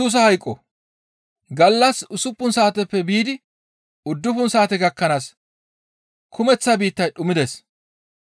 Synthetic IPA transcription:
uːs̬ɐhɐjkʼːɔ | ɡɐlːɐsʊsʊpːʊnsaːt̪ɛpːɛbiːd̪ɪ | ʊd̪ːʊfʊnsaːt̪ɛɡɐkːɐnaːs | kʰʊmɛt͡sːabiːt̪ːɐjɗʊmɪd̪ɛs

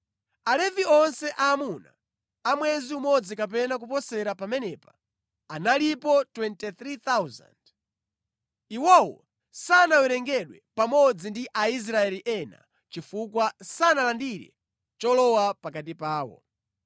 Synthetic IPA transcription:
alɛviɔnsɛʔaːmuna̰ | amwɛziumɔd͡zikap̬ɛnak̬upɔsɛɾapamɛnɛpḁ | analipɔtwɛntiθɾiθawza̰nd̥ | iwɔwɔ̰ | sanawɛɾɛŋɡɛɗwɛ̰pamɔd͡zindiʔais̬ɾaɛliʔɛna̰ | t͡ʃifukwasanalandiɾɛ̰ | t͡ʃɔlɔwapakatipaːwɔ̰

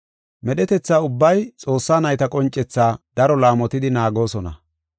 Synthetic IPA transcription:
mɛɗɛt̪ɛt͡sːaːʊbːɐjt͡sʼo̞ːsːaːnɐjt̪ɐkʼɔnt͡ʃʼːɛt͡sːaːd̪̥ɐɾɔlaːmɔt̪ɪd̪ɪnaːɡo̞ːsɔnɐ̰

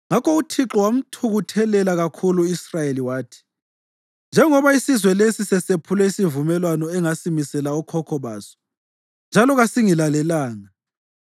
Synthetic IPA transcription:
ŋakɔutʰiǁɔwam̩tʰuɣutʰɛlɛlaɣakʰuluisrajeliwaːtʰi̥ | nd͡ʒʱɛŋɔβaisizwɛlesisɛsepʰulɛisivumɛlwanɔɛŋasimisɛlaɔkʰɔkʰɔβaːsɔ̥ | nd͡ʒʱalɔɣasiŋilalɛlaːŋa

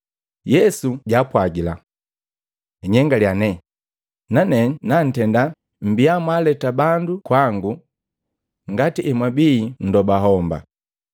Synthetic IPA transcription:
jɛsuɟapwaɡila̰ | iɲɛŋɡaljanɛ | nanɛnan̩tɛnda | m̩biamwalɛtabandukwaŋɡu | ŋɡatiʔɛmwabiːn̩dɔbaɦɔmba̰

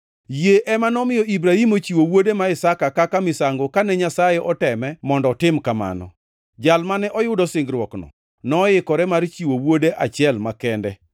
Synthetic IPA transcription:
jeʔɛmanɔmɪjɔibɾahimot͡ʃiwowodemaɪsakakakamɪsaŋɡokanɛɲasajɛʔɔtɛmɛmɔndɔtɪmkama̰nɔ̰ | d͡ʒalmanɛʔɔjʊdɔsɪŋɡɾwɔknɔ̰ | nɔjɪkɔɾɛmaɾt͡ʃiwowodeʔat͡ʃɪɛlmakɛndɛ

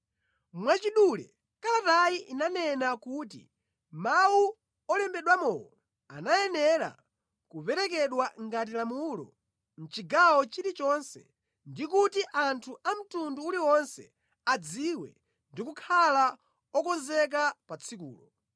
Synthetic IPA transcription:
mwat͡ʃiɗulɛ̰ | kalatajiʔinanɛnakut̬ḭ | mau | ɔlɛmbɛɗwamɔjɔ | a̰najɛnɛɾa̰ | kupɛɾɛk̬ɛɗwaŋɡat̬ilamulɔ̰ | m̩t͡ʃiɡawɔt͡ʃiɾit͡ʃɔnsɛ̰ | ndikutiʔantʰuʔam̩tunduːliwɔnsɛ̰ | ad͡ziwɛ̰ | ndikukʰala | ɔkɔzɛk̬apat͡sʰikṵːlɔ

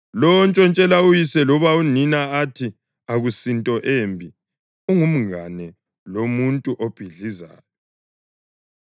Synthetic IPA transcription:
lɔnt͡ʃʼɔnt͡ʃʼɛlaujisɛlɔβauninaatʰi | aɣusintʼɔʔembʱi | uŋum̩ɣanɛ | lomuntʼuʔob̥ʱiɮiza̰ːjɔ

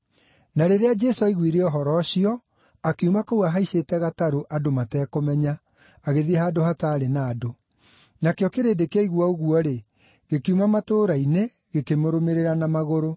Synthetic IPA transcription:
naɾeɾead͡ʒɛsoaiɣwiɾeɔɦɔɾɔɕiɔ | akeumakowaɦaisetɛɣataɾoʔadomatɛːkomɛɲa | aɣeðiɛhaːdoɦataːɾenaːdo | nakeɔkeɾeːdekeeiɣwɔoɣuɔɾe | ɣekiumamatoːɾaine | ɣekemoɾomeɾeɾanamaɣoɾo

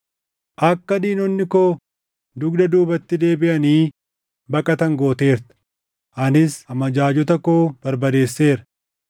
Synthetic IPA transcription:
ʔɐkːɐd̪iːnɔnːɪkoː | d̪ʊɡd̪ɐd̪uːbɐt̪ːɪd̪e̞ːbɪʔɐniː | bɐkʼɐt̪ɐŋɡo̞ːt̪e̞ːɾt̪ɐ̥ | ʔɐnɪsɐmɐd͡ʒaːd͡ʒɔt̪̬ɐkoːb̥ɐɾbɐd̪e̞ːsːe̞ːɾɐ̥

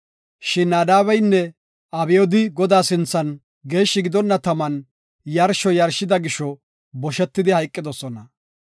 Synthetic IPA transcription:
ʃɪnːaːd̪aːβɛjnːɛ | ɐbɪjɔd̪ɪɡɔd̪aːsɪnt͡sːɐn | ɡe̞ːʃːɪɡɪd̪ɔnːɐt̪ɐmɐn | jɐɾʃɔjɐɾʃɪd̪ɐɡɪʃɔ | bɔʃɛt̪ːɪd̪ɪhɐjkʼːɪd̪ɔsɔnɐ

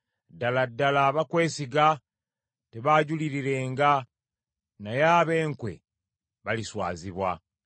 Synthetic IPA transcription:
daladːalaβakwe̞ːsiɡa | teβaɟuliɾiɾe̞ːŋɡa | najaːβe̞ːŋkwḛ | βaliswa̰ːziβwa̰

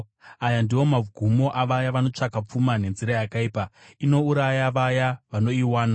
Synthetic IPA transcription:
ajandiwo̞maɡʱumo̞ʔaʋajaʋano̞t͡ʂakap͡fumane̞nziɾajakaiːpaino̞uɾajaʋajaʋano̞iwaːna

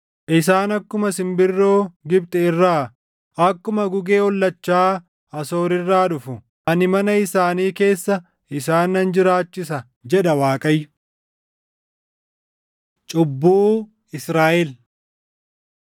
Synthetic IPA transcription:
ʔɪsaːnɐkːʊmɐsɪmbɪrːo̞ːɡɪbt̪ʼɛɪrːaː | ɐkːʊmɐɡʊɡeːɔlːɐt͡ʃːaː | ɐso̞ːɾɪrːaːᶑʊfʊ | ɐnɪmɐnɐɪsaːniːke̞ːsːɐ | ɪsaːnːɐnd͡ʒɪɾaːt͡ʃːɪsɐ | d͡ʒɛᶑɐwaːkʼɐjːʊ | t͡ʃʼʊbːuː | ɪsɾaːʔɛl

